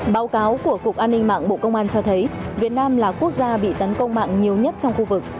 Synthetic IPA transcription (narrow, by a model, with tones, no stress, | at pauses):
ɓaː˨˦wkaː˨˦wku˧˩əku˨˩ək̚ʔaː˧nːï˧ŋma̰ː˧˨ŋɓo̰˧˨kə˧wŋ͡mʔaː˧nt͡ɕɔ˧t̪ʰə˨˦jvi˨˩ət̚naː˧mlaː˨˩ku˦˥ək̚zaː˧ɓḭ˧˨t̪ə˨˦nkə˧wŋ͡mma̰ː˧˨ŋɲi˨˩əwɲə˦˥t̚t͡ɕɔ˧wŋ͡mxu˧vɨ˨˩k̚